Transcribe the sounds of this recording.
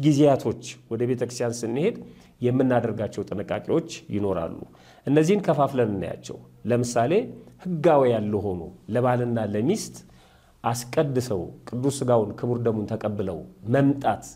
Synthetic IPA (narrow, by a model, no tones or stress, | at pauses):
ɡizejat̪ʰo̞t͡ʃːwɔd̪əβe̞t̪ʰəkɾɨst̪ʰjansɨnːɨhe̞d̪ | jɛmːɨnːad̪əɾɡat͡ʃːɛwt̪ʼɨnɨkʼːakʼiwo̞t͡ʃːjɪno̞ɾa̰lːṵ | ʔɨnːəzːihnkʰəfaflənɨnːa̰ja̰t͡ʃːɛ̰w | ləmɨsale̞hɨɡawejalːuɦo̞nṵləβalɨnːaləmist̪ʼ | ʔaskʼəd̪ːɨsəwkʼɨd̪ːusɨɡawnkʰɨβɨɾd̪əmunt̪ʰəkʼəbːɨlə̰wməmt̪ʼat̪